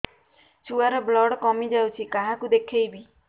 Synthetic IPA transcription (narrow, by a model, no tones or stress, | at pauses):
t͡ʃʰuaɾɔblɔːɽkɔmid͡ʒaut͡ʃʰikãɦãkud̪ekʰejbʱi